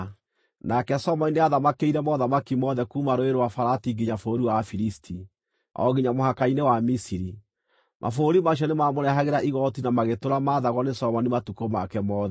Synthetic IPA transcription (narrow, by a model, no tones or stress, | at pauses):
nakɛsɔmɔnineaðamakeiɾɛmɔðamakimɔðɛkumaɾoeɾwafaɾatiɡiɲafoɾiwafiɾistʰi | ɔ̰ɣiɲamohakainewamisiɾi | mʔa̰foɾimaɕ̬ɔnemamoɾɛɦaɣeɾaʔiɣɔtinamaɣetoɾamaːðaɣwɔnesɔmɔnimatukomakɛmɔːðɛ